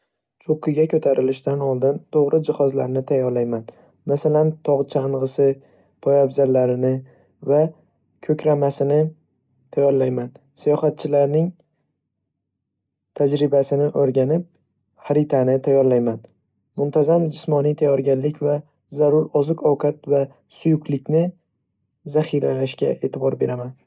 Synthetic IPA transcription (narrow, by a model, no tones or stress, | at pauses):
t͡ʃʰoqʰɨɡʲakʰɵt̪ʰaɾʔɪlɪʃt̪anɒlˠd̪ɪnt̪ʰoʁɾɪd͡ʒɪhɒzlaɾnɪt̪ʰajːɒɾlajman | masalant̪ʰɒʁt͡ʃʰaɴʁɨsɪ | pʰɒjabzalːaɾɪnɪ | va | kʰɵkʲɾamasɪnɪ | t̪ʰajɒɾlajman | sijɒχat̪̚t͡ʃʰɪlaɾnɪŋ | t̪ʰad͡ʒɾɪbasɪnɪʔoɾɡʲanɪp̚ | haɾɪt̪ʰanɪt̪ʰajɒɾlajman | mʊnt̪ʰazamd͡ʒɪsmɒnijt̪ʰajɒɾɡʲanlɪkʲva | zaɾʊɾɒzɨkɒwkʰat̪va | sʊjʊkʰlɪkʲnɪ | zaχɪɾalaʃkʲa̰ʔe̞ːt̪ʰɪbɒɾbe̞ɾaman